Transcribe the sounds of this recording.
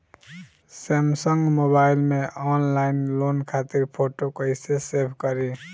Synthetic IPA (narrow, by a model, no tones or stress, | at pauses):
semsəŋɡmobailmeɔnlainlonkʰat̪iɾpʰoʈokʌɪsesepʰkʌɾi